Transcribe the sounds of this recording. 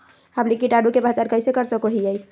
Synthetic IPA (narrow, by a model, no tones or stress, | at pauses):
ɦəmnikiʈaɖukebʱat͡ʃaɾkəɪsekəɾsəkoɦijɛj